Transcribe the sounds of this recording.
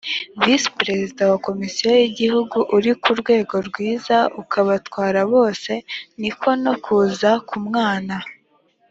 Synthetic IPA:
vispɾe̞zidawako̞misijojiɟihuɡuʔuɾikuɾɡwe̞ːɡo̞ɾɡwiːzaukʰaβatwaːɾaβo̞ːse̞nikʰo̞no̞kʰuːzakʰumŋaːna

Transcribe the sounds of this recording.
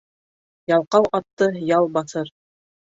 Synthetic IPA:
jɑlˠqɑwʔɑt̪ːɤjɑlˠbɑθɤɾ

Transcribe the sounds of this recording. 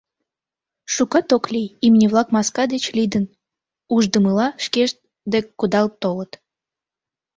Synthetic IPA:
ʃukɑt̪oklʲijimnʲeβlɑkmɑskɑd̪et͡ɕlʲid̪ən | uʒd̪əməlɑʃkeʃt̪ | d̪ekkːud̪ɑlt̪ːolət̪

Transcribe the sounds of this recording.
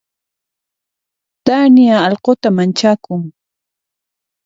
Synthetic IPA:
t̪anjaɑlqot̪amant͡ʃakʊŋ

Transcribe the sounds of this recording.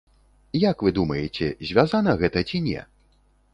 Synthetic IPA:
jakvɨd̪umɐjɛt͡sʲɛ̰zʲvʲazanɐɣɛt̪ɐt͡sʲinʲɛ̰

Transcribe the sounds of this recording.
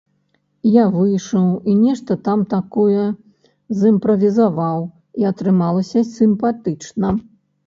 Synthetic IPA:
javɨjʂɐwinʲɛʂt̪ɐt̪amt̪akɔjɛ | zimpɾɐvʲizavaw | iɐt̪ɾɨmalˠɐsʲɐsʲimpat̪ɨt͡ʂnɐ

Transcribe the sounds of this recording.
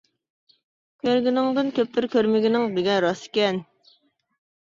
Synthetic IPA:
kʲʰøɾɡʲinɪŋd̪ɨnkʲʰøp̚t̪ʰɪɾkʲøɾmɪɡʲinɪŋbɪɡʲɛɾɑsɪ̥kʲɛn

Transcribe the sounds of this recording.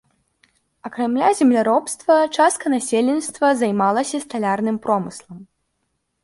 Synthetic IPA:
ɐkɾamlʲazʲɛmlʲaɾɔpst̪vɐt͡ʂast̪kɐnasʲelʲɛnʲst̪vɐzajmalˠɐsʲɐst̪alʲarnɨmpɾɔmɨslˠɐm

